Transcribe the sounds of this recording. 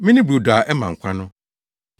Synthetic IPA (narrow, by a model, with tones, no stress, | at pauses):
mɪ̃˦nɪ̃˦bu˨da˨ʔɛ˦mã˨ŋ̩˨kʷʰã˦nʊ̃˦